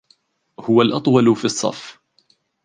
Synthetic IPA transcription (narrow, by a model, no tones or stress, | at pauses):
hʊwalʔɑt̪ˤwɑlfisˤːɑ̰f